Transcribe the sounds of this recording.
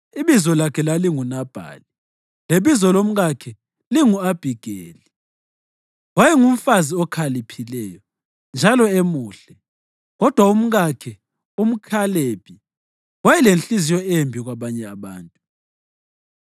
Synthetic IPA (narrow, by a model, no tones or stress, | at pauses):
iβizɔlakʰɛlaliŋunab̥ʱa̰ːli | leβizɔlom̩ɣakʰɛ | liŋuab̥ʱiɡ̥ʱeːli | wajɛŋum̩faziɔkʰalipʰilɛjɔ | nd͡ʒʱalɔemuːɬɛ | ɣɔd̥ʱwaum̩ɣakʰɛ | um̩kʰaleb̥ʱi | wajɛlent͡ɬʼizijɔeembʱiɣwaβaɲɛaβa̰ːntʼu